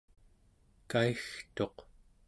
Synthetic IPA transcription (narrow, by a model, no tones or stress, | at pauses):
kaixt̪o̞q